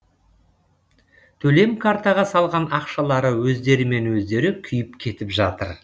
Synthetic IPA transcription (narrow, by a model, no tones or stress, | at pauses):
t̪ʰɵle̞mkʰaɾt̪ɑʁɑsɑlˠʁɑnɑqʃɑlˠɑɾəwɵzd̪e̞ɾɪme̞nwɵzd̪e̞ɾɪkʲʰʏjɪpkʲʰe̞t̪ɪpʒɑt̪əɾ